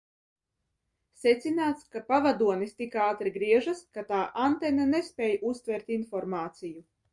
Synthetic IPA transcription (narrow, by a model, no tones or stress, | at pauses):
set̪sinaːt̪skapavad̪uɔnist̪ikaːt̪ɾiɡɾiɛʒaskat̪aːʔant̪ɛnanespʲɛːjʔust̪vʲɛɾt̪infɔɾmaːt̪siju